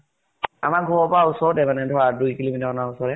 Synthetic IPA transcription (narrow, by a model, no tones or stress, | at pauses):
a̰maɡʱɔwɔpɔaʊsɔɹdɛmanɛdʱɔɹadujkilomitaɔnaʊsɔɾɛ